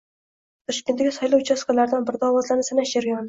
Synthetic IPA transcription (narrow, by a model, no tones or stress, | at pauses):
t̪ʰɔʃkʲend̪aɡʲɪsɒjlˠɑwt͡ʃʰɑsqalˠaɾd̪ɪnbɪɾd̪ɑːwɒzlˠaɾnɪsanaʃaɾɡʲn